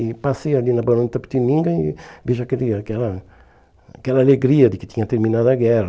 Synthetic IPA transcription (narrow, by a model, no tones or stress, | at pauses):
ipasejalinɐbɐɾõnt̪ɐpt̪imĩŋɡɐibeʒɐkɛliɐkɛlɐ | kɛlɐaleɡɾiɐd̪ɪkɪ̥t̪ĩɲɐt̪eɾminaðɐɡɛɾ